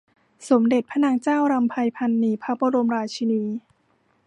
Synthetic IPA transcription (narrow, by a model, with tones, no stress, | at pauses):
so˩˦mde˨˩t̪̚pʰa˦˥na˧ŋt͡ɕaː˥˩wɾa˧mpʰa˧jpʰa˧nːiː˧˩pʰa˦˥p̚oː˧ɾo˧mɾaː˧t͡ɕʰi˧niː˧